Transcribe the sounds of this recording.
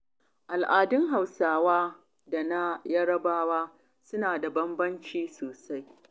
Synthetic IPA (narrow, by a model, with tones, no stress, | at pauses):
ʔa˨lʔaː˨dɪ˦ŋɦa˨wsaː˦waː˦ | da˨na˦jɐ˦ɽɐ˦baː˦waː˦ | sʊ˦naː˨da˨bɐ˦mbɐ˦nt͡ʃiː˦soː˨sa˦j